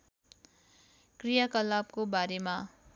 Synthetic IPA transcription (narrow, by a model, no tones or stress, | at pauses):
krijakʌlab̚kobaɾema